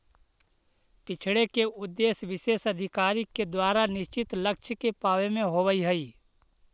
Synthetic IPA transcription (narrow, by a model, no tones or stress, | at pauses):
pɪt͡ʃʰɽekeʊd̪ːeːsʋɪʃeːsəd̪ʱɪkaːɾiked̪waːɾanɪʃt͡ʃɪt̪ləkʃʰkepaːʋemẽɦoːʋəiɦəiː